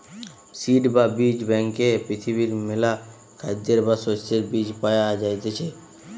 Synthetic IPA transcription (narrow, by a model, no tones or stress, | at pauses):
siɖbabid͡ʒbɛ̃ŋkepɾɪt̪ʰibiɾmɪla | kʰad̪eɾbasost̪eɾbid͡ʒpajad͡ʒajt̪et͡ʃʰe